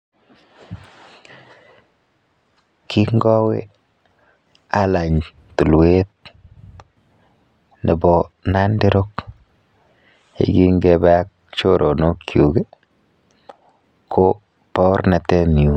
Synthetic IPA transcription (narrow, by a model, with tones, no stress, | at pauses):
kʰi˦ŋɡɔ˦wḛ˦ | a˦la˨ɲ | tu˨lwe˦t̚ | ne˨bɔ˨na˦ndɪ˦ɾo˦k | jḛ˨ɡi˦ŋɡe˦ba˦a˦k̚ | t͡ʃo˦ɾʔo˨no˦kju˨ɡe˦ | kʰo˦ | pɔ˦ɾna˨tɛ˦mi˨u˨